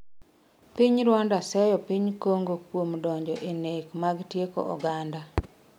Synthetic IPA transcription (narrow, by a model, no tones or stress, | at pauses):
piɲɾwandasɛjɔpiɲkoŋɡokwomdɔɲd͡ʒɔʔenekmaɡtjeko̰ʔɔ̰ɡanda